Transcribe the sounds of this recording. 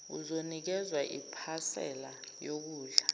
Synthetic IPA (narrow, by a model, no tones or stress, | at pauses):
ṵzonik̬ɛzwaʔipʰasɛ̰lajok̬uːɮa